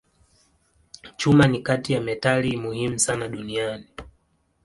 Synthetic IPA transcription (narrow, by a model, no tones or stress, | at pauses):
t͡ʃumanikatijamɛtalimuhimusanaɗuniani